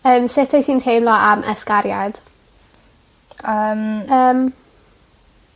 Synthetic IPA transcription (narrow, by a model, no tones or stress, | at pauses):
əːmsɪtʰɔjsiːntʰejmlɔʔamʔə̰skaɾja̰d̥ | əːməːm